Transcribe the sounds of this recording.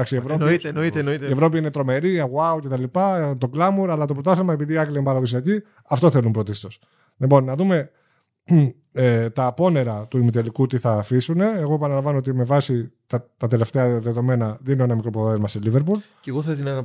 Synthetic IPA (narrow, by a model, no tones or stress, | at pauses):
ɐksievɾoninoienoit̪ie̞vɾo̞p̬iine̞t̪ɾo̞me̞ɾiɐɣuɐucet̪ɐlipɐt̪o̞ɡlɐmuɾɐlɐt̪o̞pɾot̪ɐθemɐepiðiːɐkliinepɐɾɐðos̬iɐci | ɐft̪o̞θe̞lumpɾo̞t̪ist̪o̞s | lipo̞nːɐðume̞ | t̪ɐpo̞ne̞ɾɐt̪uimit̪elikut̪iθɐːfisune̞ːɣo̞e̞pɐnɐlɐɱvɐnoot̪imevɐsit̪ɐt̪ɐt̪e̞le̞ft̪e̞ɐðe̞ðo̞me̞nɐðininoenɐmikɾo̞poðɐzmɐselive̞ɾpul | ceɣoθɐiðinɐnɐ